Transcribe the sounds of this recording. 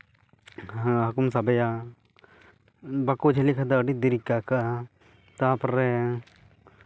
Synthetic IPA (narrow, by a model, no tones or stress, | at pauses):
ɦɐkums̬abɐja | bakud͡ʒʱelikʰad̪aəɖid̪iɾikːaka | t̪apɾɛ